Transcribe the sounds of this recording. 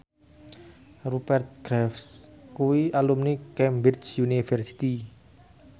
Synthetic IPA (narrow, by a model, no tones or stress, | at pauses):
rupɛrt̪̚ɡɾɛfskuwiʔalumnikɛmbit͡ʃjunifərsi̥t̪i